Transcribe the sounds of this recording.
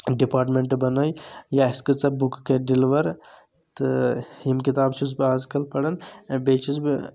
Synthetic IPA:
ɖipaːɾʈmeɳʈbɐnojjaiskət͡sɐbukkeɖiliʋɐɾ | t̪ɨhimkit̪aːbt͡ʃʰusbiaːzkɐlpɐɽɐnbeːt͡ʃʰuzbi

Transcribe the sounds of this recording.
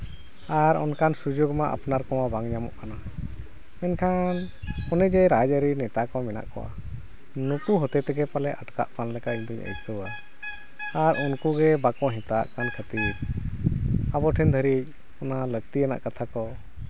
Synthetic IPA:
aɾɔnkʰansud͡ʒoɡmaʔa̰pnaɾkɔwabaŋɲamɔ̰ʔkana | mɛnkʰan | ɔnɛd͡ʒɛɾajd͡ʒəɾinɛt̪akɔmɛna̰ʔkɔ̰wa̰ | nukuɦɔt̪ɛt̪ɛɡɛpalɛʔəʈka̰ʔpanlɛkaʔiɲd̪uɲə̰jt̪kəwa | aɾunkuɡɛbakɔɦɛ̃t̪aʔkankʰət̪iɾ | abɔʈʰɛnd̪ʱəɾic̚ | ɔnaləɡt̪iɛna̰ʔkat̪ʰakɔ

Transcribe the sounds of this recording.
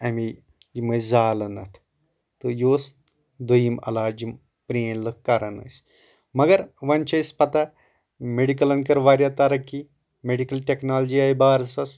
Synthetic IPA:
ɐmi | jimɐzaːlɐnɐ̰t̪ʰ | t̪ɨjoːs | d̪ɐjimɐ̰laːd͡ʒim | pɾeːnlɨkkːɐɾɐnɐ̰s | mɐɡɐɾʋɐnt͡ʃɐjspɐt̪ɐ | meɖik̬ɐlɐnkɐɾʋaːɾjat̪ɐɾɐkːi | meɖikɐlʈʲeknaːlɐd͡ʒiaːjbaːɾɐsɐs

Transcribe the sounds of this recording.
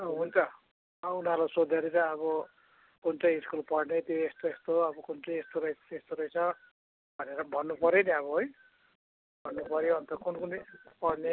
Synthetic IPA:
ɦunt͡sʰʌ | unarlasod̪ʱeɾit͡sʌʌβʌ | kunt͡sʌj̃iskulpʌɽnet̪joest̪oest̪oʌbʌkunt͡sʌj̃est̪oɾʌjest̪oɾʌjt͡sʰʌ | bʱʌneɾʌbʱʌnːupʌɾjeniʌβʌɦoj | bʱʌnːupʌɾjoɦʌnt̪ʌkunkunpʌɽne

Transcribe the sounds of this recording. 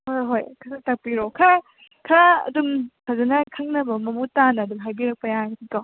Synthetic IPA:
hojɦojkʰaɾatak̚piɾɔkʰaɾa | kʰɐɾaɐ̰dumkʰazɐnɐkʰaŋnɐbɐmɐmutanɐːdumɦajbiɾɐk̚pɐjaɡɐtʰika

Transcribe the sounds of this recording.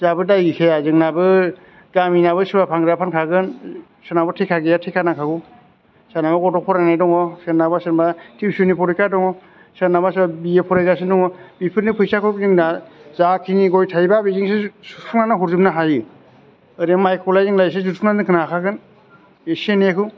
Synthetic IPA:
zabɯdajikʰejazɯŋnabɯ | ɡaminaβɯsɯbapʰaŋɡɾapʰankʰaɡɯn | sɯnabɯtʰekʰaɡejatʰekʰanakʰaɡu | sanabaɡɔdɔpʰɔɾanajdɔŋɔsenabasɯnbatʰibsunipʰɔɾikadɔŋɔ | sanabasbabiepʰɔɾajzasɯndɔŋɔbipʰɯɾnipʰɯjsakʰɯkzɯŋnazakʰiniɡɔjtʰajbabiziŋsesupʰuŋnanɯɦuɾzɯmnaɦajɯ | ɯɾamajkʰɔlajzɯŋlajs̬ezutʰuŋnandɯŋkʰɯnakʰaɡɯn | esenekʰɯw

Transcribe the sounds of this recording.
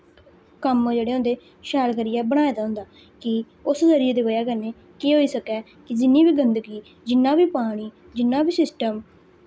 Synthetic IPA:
kəmd͡ʒeːɽeːɦʊ̃nd̪eː | ʃɛːlkəɾiːɛːbəɽ̃aːeːd̪aːɦʊ̃nd̪aː | kɪ | ʊszəɾieːd̪eːbəjaːkəɾneː | kiːɦoːiːsəkɛː | kɪd͡ʒɪnːiːbiːɡənd̪əɡiː | d͡ʒɪnːãːbiːpaːɽ̃iː | d͡ʒɪnːaːbiːsɪsʈəm

